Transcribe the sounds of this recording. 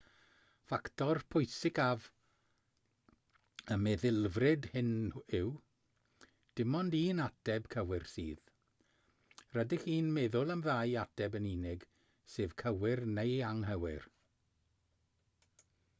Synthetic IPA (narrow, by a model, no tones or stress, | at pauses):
faktʰɔrpʰʊjsɪkav | əmɛðɪlˠvrɪdhɪnɪw | d̥ɪmɔndiːnadɛb̥kʰəwɪrsiːð | rədɪχiːnmeːðʊlˠəmðajadɛbəniːnɪɡ | seːvkʰəwɪrnejaŋɦəwɪr